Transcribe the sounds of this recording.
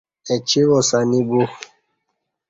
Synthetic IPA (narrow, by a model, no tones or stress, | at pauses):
ɛt͡ʃiwɔsanĩbo